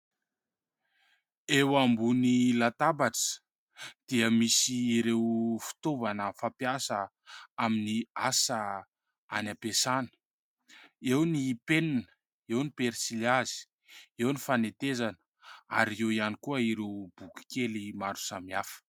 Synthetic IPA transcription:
ewambunilat̪abaʈ͡ʂə̥ | d̪̥iəmisiːɾewfi̥t̪ovanəfapjasə | aminiasə | anapesanə̥ | ewnipeninə | ewnipeɾsiliazi̥ | ewnifanet̪ezanə̥ | aɾiewianikuəiɾewb̥uki̥kelimaɾu̥samiafə̥

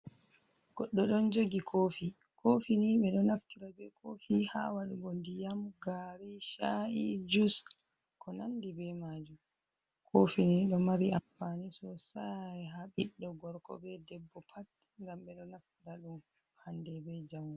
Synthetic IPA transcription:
ɡ̥ɔɗːɔɗɔnd͡ʒoɡikʰofi | kʰofiniɓɛɗɔnaftiɾabɛkʰofihawaɗubondijamɡaɾiʃaʔid͡ʒus | kʰɔnandibɛmad͡ʒum | kʰofiniɗɔmaɾiʔamfanisɔsaɛɦaɓiɗːɔɡɔɾkɔ̰bɛdɛbːɔpʰat | ŋɡamɓɛɗɔnaftiɾaɗum | handɛbɛd͡ʒamɡu

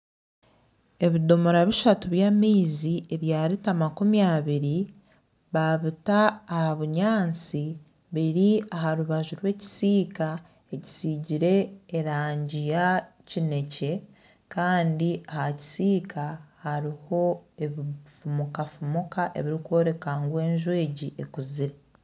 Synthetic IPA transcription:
e̞βido̞moɾaβiʃatuβjamiːzie̞βjaːɾitamakumjaβiɾi | βaβitaːhaβuɲaːnt͡si | βiɾiaɦaɾuβaʒuɾwe̞ːci̥siːka | e̞ci̥siɟiɾe̞ːɾaːɲɟija | cine̞ce̞ | kaːndiahaci̥siːkʰahaɾiho̞e̞βifumukafumukaʔe̞̰βiɾikwo̞ːɾe̞kaːŋɡwe̞ːɲʒwe̞ːɟiʔekuziɾe

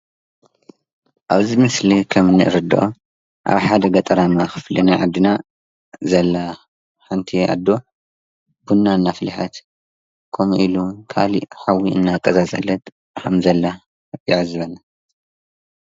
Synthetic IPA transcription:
ʔaβzimɨslikʰɐmnɨʔɨɾɨd̪ɨ̰ʔo | ʔa̰βħad̪ɐɡɐt̪ʼɐɾamaxɨflinaʕad̪ːɨna | zɐlːa | ħant̪ʰiʔa̰d̪ːo̞ | b̥unːanːafɨlħat̪ | kʰomuʔilukʰa̰lḭħawiɨnːakʼːɐzazʼɐ̰lːɐt̪ʼ | kʰɐmzɐlːa | ɪʕzɨβɐnːa

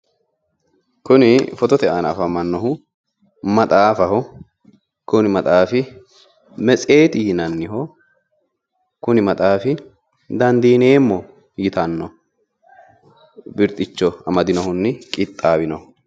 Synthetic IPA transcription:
kʊnɪfɔt̪ɔt̪ɛʔaːnɐfɐmɐnːɔhʊ | mɐt̪ʼaːfɐɦɔ | kʊnɪmɐt̪ʼaːfɪ | mɛt͡sʼe̞ːt̪ɪjɪnɐnːɪɦɔ | kʊnɪmɐt̪ʼaːfɪ | d̪ɐnd̪iːne̞ːmːɔ | jɪt̪ɐnːɔ | bɪɾt̪ʼːɪt͡ʃːɔɐmɐd̪ɪnɔhʊnːɪkʼɪt̪ʼːaːwɪnɔhʊ

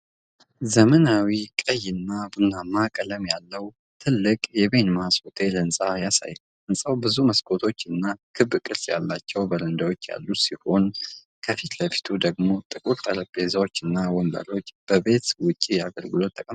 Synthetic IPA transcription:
zəmənawikʼəjɪnːabɨnamakʼələmjalːəw | t̪ʰɨlːɨkʼjɛβe̞nmasot̪ʰe̞lənsʼajasa̰jːu | ɨnsʼawbɨzuməskʰʼo̞t̪ʰo̞t͡ʃːɨnːakʰɨbkʼɨɾsʼja̰lːat͡ʃːɛwbəɾənd̪awo̞t͡ʃːja̰lːusiho̞n | kʰəfit̪ləfi̥t̪ʰud̪əɡmo̞t̪ʼɨkʼuɾt̪ʼələpʼːe̞zawo̞t͡ʃːɨnːawɔmbə̰lo̞t͡ʃːb̥əbe̞t̪wʊt͡ʃʼːijaɡəlɡɨlo̞t̪ʰːəkʼəm

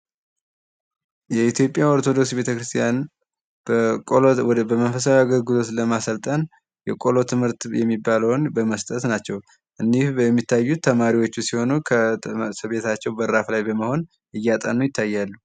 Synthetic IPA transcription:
jɛit̪ʰjo̞pʼːjaoɾt̪ʰo̞d̪o̞ksbe̞t̪ʰəkɾɨst̪ʰijan | bə | bəmənfəsawaɡəlɡɨlo̞t̪ləmasəlt̪ʼən | jɛkʼo̞lo̞t̪ʰɨmhɨɾt̪jɛ̰mːibːaləwnbəməst̪ʼət̪nat͡ʃːɛw | ʔɨnːihbəɛmːit̪ʰːajːut̪ʰːəmaɾiwo̞t͡ʃːusiho̞nukʰəsɨβe̞t̪ʰat͡ʃːɛwbəɾɾaflajbəməho̞n | ʔɨjːat̪ʼə̰nːujɪt̪ʰːajːalːu

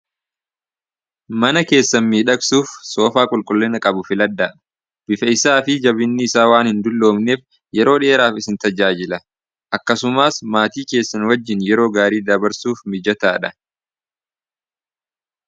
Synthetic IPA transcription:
mɐnɐke̞ːsːɐnmiːᶑɐksuːfso̞ːfaːkʼʊlkʼʊlːɛnɐkʼɐbʊfɪlɐd̪ːaːᶑɐ | bɪfɐɪsaːfɪd͡ʒɐbɪnːɪːsaːwaːnhɪnd̪ʊlːo̞ːmne̞ːf | jɛɾo̞ːᶑe̞ːɾaːfɪsɪnt̪ɐd͡ʒaːd͡ʒɪlɐ | ʔɐkːɐsʊmaːsmaːt̪iːke̞ːsːɐnwɐd͡ʒːɪnjɛɾo̞ːɡaːɾiːd̪ɐbɐɾsuːfmɪd͡ʒɐt̪aːᶑɐ

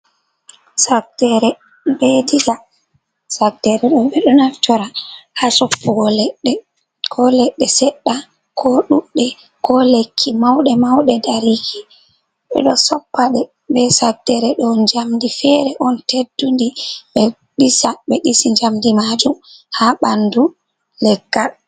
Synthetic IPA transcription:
sakdɛɾɛ | bedila | sak̚dɛɾɛɗɔɓɛɗɔnaftɔɾahasɔpːuɡɔlɛɗːɛ | kʰɔlɛɗːɛsɛɗːa | kʰɔɗuɗːɛ | kʰɔlekʰːimawɗɛmawɗɛdaɾiki | ɓɛ̰ɗɔsɔpːaɗɛ | ɓɛsak̚dɛɾɛɗɔnd͡ʒamdifɛɾɛʔɔntedːundiɓɛ | ɗisaɓɛɗisiɲd͡ʒamdimad͡ʒumhaɓandu | lɛɡːa

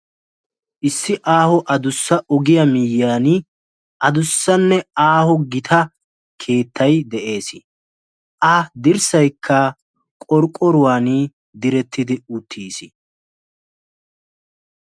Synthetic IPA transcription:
ʔɪsːɪʔaːhɔʔɐd̪ʊsːɐʔɔɡɪjɐmɪjːaːnɪ | ʔɐd̪ʊsːɐnːɛaːhɔɡɪt̪ʰɐ | kʰe̞ːt̪ʰːɐjd̪ɛʔe̞ːsɪ | ʔɐd̪ɪɾsɐjkʰːɐ | kʼɔɾkʼːɔɾʊwaːni | d̪ɪɾɛt̪ːɪd̪ɪʊt̪ʰːiːsɪ

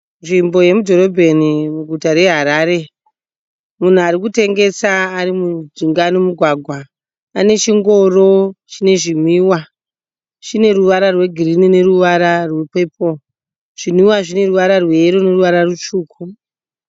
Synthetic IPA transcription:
nʐimbo̞je̞mudʱo̞ro̞bʱe̞nimuɡʱutaɾe̞ɦaɾaːɾe̞ | mun̤uaɾik̬ute̞ŋɡe̞saːɾimud͡ziŋɡanomuɡʱwaɡʱwa | ane̞t͡ʃiŋɡo̞ro̞t͡ʃine̞ʐimiwa | ʐine̞ruʋaɾarwe̞ɡʱirinine̞ruʋaɾarwepe̞ːpo̞ | ʐ̥im̤iwaʐine̞ruʋaɾarweɾone̞ruʋaɾarut͡ʃuːkʰu

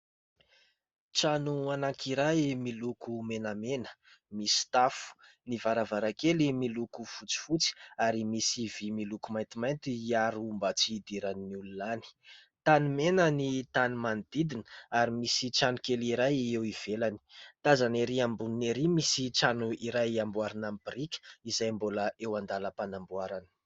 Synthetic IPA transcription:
t͡ʃanuanakʰiɾajmilukʰumenamenə̥ | misi̥t̪afu̥ | nivaɾavaɾakelimilukufut͡si̥fut͡si̥aɾimisivimilukumajnt̪imajnt̪iiaɾuumbat͡sid̪iɾaniniululani̥ | t̪anumenənit̪anumand̪id̪inə̥aɾimisit͡ʃanukeliɾajewiv̥elani̥t̪azaneɾiambunineɾimisit͡ʃanuiɾajambuaɾinampɾikʲə̥izajmboləewand̪aləpanambwaɾani̥

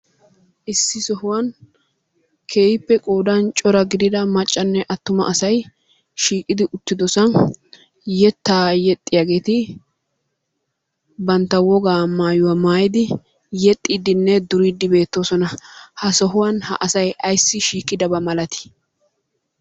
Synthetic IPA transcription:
ʔɪsːɪsɔhʊwɐn | kʰe̞ːhɪpːɛkʼoːd̪ɐnt͡ʃʼɔɾɐɡɪd̪ɪd̪ɐmɐt͡ʃʼːɐnːɛʔɐt̪ːʊmɐ̰ʔɐsɐj | ʃiːkʼːɪd̪ɪʔʊt̪ːɪd̪ɔsɐn | jɛt̪ːaːjɛt̪ʼːɪjaːɡe̞ːt̪ɪ | bɐnt̪ːɐwɔɡaːmaːjʊwɐmaːjɪd̪ɪ | jɛt̪ʼːiːd̪ɪnːɛd̪ʊɾid̪ːɪbe̞ːt̪ːoːsɔnɐhɐsɔɦʊwɐnhɐ̰ʔɐsɐjɐjsːɪʃiːkʼːɪd̪ɐbɐmɐlɐt̪ɪ̥

